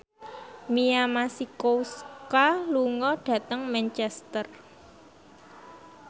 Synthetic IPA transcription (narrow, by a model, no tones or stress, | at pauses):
miamasikouskaluŋɔɖ̥ä̤t̪əŋmɛnt͡ʃɛst̪ər